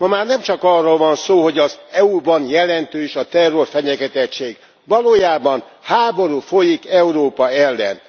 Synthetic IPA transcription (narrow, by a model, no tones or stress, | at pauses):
mɒmaːrnɛmt͡ʃɒkɒrːoːlvɒnsoːɦo̞ɟɒzɛubɒnjɛlɛnt̪øːʃɒt̪ɛrːo̞rfɛɲɛɡɛt̪ɛtt͡ʃːeːɡ | ʋɒloːjaːbɒn | haːbo̞ɾuːfo̞jikɛuɾoːpɒɛlːɛ̰n